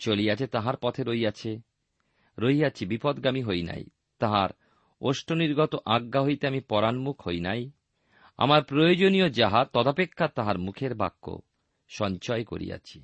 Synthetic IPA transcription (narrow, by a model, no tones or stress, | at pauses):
t͡ɕoliat͡ɕʰet̪aɦaɾpɔt̪ʰeɾojat͡ɕʰe | ɾojat͡ɕʰibipɔd̪ɡamiɦojna̰j | t̪aɦaɾ | oʃʈʰoniɾɡɔt̪oʔaɡːaɦojt̪eamipɔɾanmukʰhojnaj | a̰maɾpɾojod͡ʑonijod͡ʑaɦat̪ɔd̪apekʰːat̪aɦaɾmukʰeɾbʱakːo̰ | ʃɔɲt͡ɕɔeko̰ɾḭja̰t͡ɕʰi̥